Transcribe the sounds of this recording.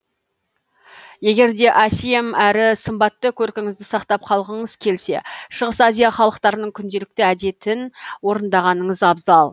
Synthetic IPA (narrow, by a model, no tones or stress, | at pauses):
je̞ɡʲe̞ɾd̪e̞ʔæsijemæɾɪsəmbɑt̪ːəkʲʰɵɾkʲɪŋɪzd̪ɪsɑqt̪ɑp̚qʰɑlˠʁəɴəzkʲʰe̞lse̞̰ʃəʁəsɑzijɑχɑlˠəqt̪ɑɾənəɴkʲʰʏnd̪e̞lɪk̚t̪ɪæd̪e̞t̪ɪnwo̞ɾənd̪ɑʁɑnəɴəzɑbzɑlˠ